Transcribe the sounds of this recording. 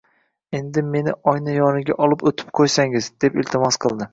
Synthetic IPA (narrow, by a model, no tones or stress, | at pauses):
e̞nd̪ɪme̞nɪʔɒjnɪjɒnɪɡʲaʔɒlˠɪpot̪ʰɪ̥p̚qʰojsaŋɪzd̪̥e̞pɪlt̪ʰɪmɒsqʰɨlˠd̪ɪ